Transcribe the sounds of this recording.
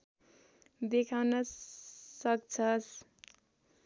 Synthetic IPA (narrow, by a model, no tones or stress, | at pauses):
d̪ekʰawnʌssʌk̚t͡sʰʌs